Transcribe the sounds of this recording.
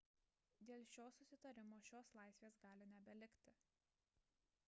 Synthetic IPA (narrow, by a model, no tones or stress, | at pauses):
d̪ʲeːlʲˠʃʲoːsʊsʲɪt̪ɐɾʲɪmoːʃʲoːslˠɑˑɪsʲʋʲeːsɡɑːlʲɪnʲɛbʲɛlʲɪkʲt̪ʲɪ